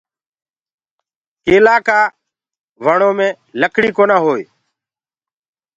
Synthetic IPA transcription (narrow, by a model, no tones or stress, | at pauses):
keːlaːkaː | ʋəɳoːmẽː | ləkʰɽiːkoːnãːɦoːḛː